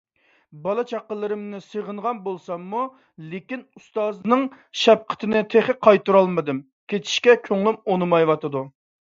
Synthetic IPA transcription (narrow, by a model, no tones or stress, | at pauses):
bɑlˠɨt͡ʃʰɑqːəlˠːɨɾɨmnɪsəʁəɴʁɑnbolˠsɑmːu | lekʲinust̪ɑːznɨŋ | ʃɛp̚qʰə̥t̪ʰɪnɪt̪ʰeχɪqʰɑjt̪uɾɑlˠmɨd̪ɨm | kʲet͡ʃʰi̥ʃkʲɛkʲʰøŋlˠɪmonɨmɑjwɑt̪ɨd̪u